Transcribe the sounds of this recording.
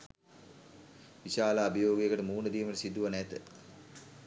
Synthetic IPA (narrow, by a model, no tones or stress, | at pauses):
ʋiɕaːlaːbəjoːɡejəkəʈəmuːnəd̪iːməʈəsid̪ːuʋɐnɛt̪ə